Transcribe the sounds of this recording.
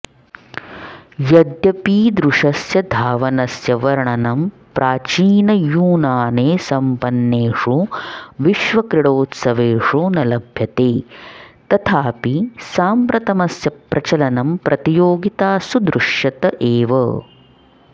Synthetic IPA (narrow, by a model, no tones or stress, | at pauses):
jɐd̪jɐpiːd̪ɾuʂɐsjɐd̪ʱaːʋɐnɐsjɐʋɐɾɐɳɐnɐm | pɾʔaːt͡ʃiːnɐjuːnaːneːsɐmpɐnːeːʂuʋiʃʋɐkɾiɽoːt̪sɐʋeːʂunɐlɐbʱjɐt̪eːt̪ɐt̪ʰaːpisaːmpɾɐt̪ɐmɐsjɐpɾʔɐt͡ʃɐlɐnɐmpɾʔɐt̪ijoːɡit̪aːsud̪ɾuʂjɐt̪ɐʔeːʋɐ